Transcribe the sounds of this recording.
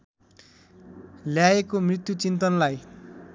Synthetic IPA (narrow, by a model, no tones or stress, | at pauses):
ljaekomrit̪jut͡sint̪ʌnlaj